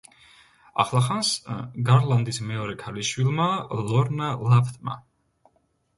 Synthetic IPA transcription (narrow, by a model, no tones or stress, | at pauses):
a̰χlˠaχansɡaɾlˠand̪ismɛɔɾɛkʰaliʃwilˠmalˠɔɾnalapʰt̪ʼma̰